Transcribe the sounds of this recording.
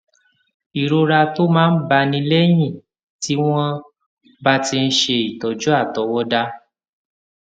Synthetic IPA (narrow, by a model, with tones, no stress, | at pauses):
i˨ɾo˧ɾa˧to˦mãː˦˧n̩˦ba˧nĩ˧le˦j̃ĩ˦˨ | ti˦w̃ɔ̃˦ | ba˦ti˧n̩˦ʃe˧i˨tɔ˨d͡ʒu˦a˦˨tɔ˨˦wɔ˦da˧